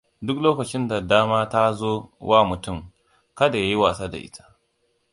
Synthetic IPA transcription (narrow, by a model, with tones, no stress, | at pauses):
dʊ˦k̚loː˦kɐ˨t͡ʃɪ˦nda˨daː˦maː˦ta˦zoː˦waː˦˨mʊ˨tʊ˦˨m | kɐ˦da˨ja˦ji˦waː˨sa˦da̰˨ʔɪ̰˦tʰḁ˦